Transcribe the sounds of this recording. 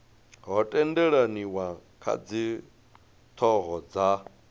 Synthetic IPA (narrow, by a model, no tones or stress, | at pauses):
ɦɔtʼɛndɛɺaniwakʰa̰d͡zi | t̪ʰɔɦɔd͡za